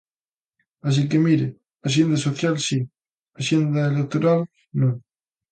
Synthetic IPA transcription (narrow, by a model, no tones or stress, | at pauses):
as̬ikemiɾe | as̬jend̪asoθjalsi | asjend̪aelek̚t̪oɾal | nõ